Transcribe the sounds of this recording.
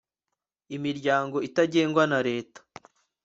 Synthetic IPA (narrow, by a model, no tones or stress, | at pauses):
imiɾɟaːŋɡo̞itaɟe̞ːŋɡwanaɾe̞ːtḁ